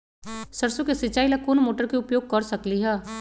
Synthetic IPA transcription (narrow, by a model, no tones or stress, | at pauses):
səɾsukesɪt͡ʃaːilɐkonmoːʈəɾkeʊpjoːɡ̚kɐɾsɐkliɦɛː